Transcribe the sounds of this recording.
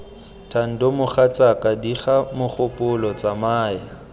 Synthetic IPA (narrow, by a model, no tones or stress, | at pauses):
tʰan̩dɔmʊχat͡sʼakʼadiχamʊχʊpʼʊlɔt͡samaːja